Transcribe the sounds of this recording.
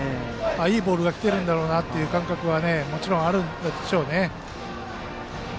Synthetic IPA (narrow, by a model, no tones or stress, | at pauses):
aiːbo̞ːɾɯ̟ɡakʲi̥t̪e̞ɾɯ̟̃nd̪aɾo̞ːnat̪ːe̞jɯ̟ːkãŋkakɯ̟βane̞mo̞t͡ɕiɾõ̞ɰ̃aɾɯ̟̃nd̪ad̪eɕo̞ːne̞